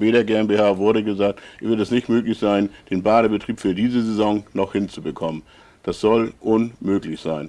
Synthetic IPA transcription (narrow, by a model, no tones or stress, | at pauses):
veːɾɐɡeːɛmbehaːvʊɐɾəɡəzaːk̚tvɪɐtɛsnɪçtmøːklɪçz̥aɪnd̥eːnbaːɾəbətʁ̥iːpfyːɐdiːzəzezɔŋnɔχhɪnt͡subəkʰɔmən | d̥asz̥ɔlʔʊnmøːklɪçz̥aɪn